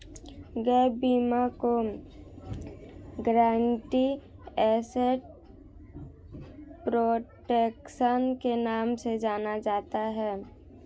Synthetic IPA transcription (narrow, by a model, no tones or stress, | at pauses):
ɡɛːbiːmako | ɡɾãːɳʈiɛːseʈ | pɾoːʈeːkʃənkenaːmsed͡ʒaːnad͡ʒaːt̪aɦɛː